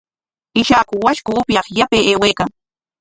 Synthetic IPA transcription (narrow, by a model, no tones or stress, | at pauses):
ɪʃakʊwaʃkʊːpjɑχjapeːeːweːkaŋ